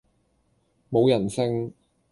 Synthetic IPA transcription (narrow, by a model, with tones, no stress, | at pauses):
mo˨˧wjɐ˨˩nsɪ˥ŋ